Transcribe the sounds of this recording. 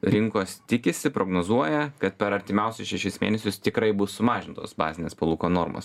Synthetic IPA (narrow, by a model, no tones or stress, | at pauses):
ɾʲɪŋkoːst̪ʲɪkʲɪsʲɪpɾoːɡnoːzuɔjɛkɐt̪pʲɛɾɐɾʲt̪ʲɪmʲɛʊsʲʊsʃʲɛʃʲɪsmʲḛːnʲɛsʲʊst̪ʲɪkɾɐɪbʊssʊmɑːʒʲɪnt̪o̰ːsbɑ̰ːzʲɪnʲeːspɐlˠuːkoːnoːɾmo̰ːs